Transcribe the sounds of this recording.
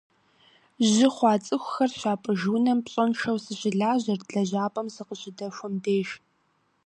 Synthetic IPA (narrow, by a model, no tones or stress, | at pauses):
ʑɪχʷɑːt͡sʼɨxʷʊxɐrɕaːpʼɨʒuːnɐmpɕʼɔnʃɐwsɨɕɪɮaːʑɐrɮɐʑaːpʼɐmsɨqəɕʼɪdɐʃʷɔmdeːʃ